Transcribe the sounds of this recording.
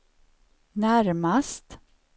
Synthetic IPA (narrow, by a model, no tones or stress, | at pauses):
næɾmast̪